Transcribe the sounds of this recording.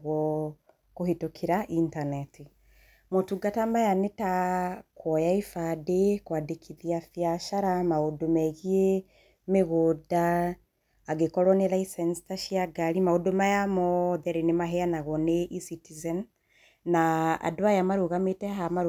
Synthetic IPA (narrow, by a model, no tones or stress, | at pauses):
ɣwɔ | koɦitokʰiɾaʔintanɛti | motuɡatamajanetakwɔjaifadekwadekʰiðiafiaʃaɾamaodomɛɣie | meɣodaː | ɡekɔɾwɔnelaisɛnsi̥taʃiaɡaɾimahodomajamɔðɛɾenemaɦɛanaɣɔneʔisitizɛn | naa̰doajamaɾuɣametɛɦamaɾ